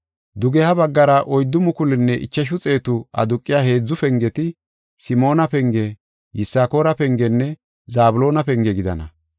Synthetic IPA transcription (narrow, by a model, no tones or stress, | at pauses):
d̪ʊɡɛhɐbɐɡːɐɾɐʔɔjd̪ːʊmʊkʊlɪnːɛʔɪ̰t͡ʃːɐʃ̬ʊt͡sʼe̞ːt̪ʊʔɐ̰d̪ʊkʼːɪjahe̞ːd͡zːʊfɛŋɡɛt̪ɪ | sɪmo̞ːnɐpɛŋɡɛ | jɪsːaːko̞ːɾɐpɛŋɡɛnːɛ | zaːbʊlo̞ːnɐpɛŋɡɛɡɪd̪ɐ̰nɐ̰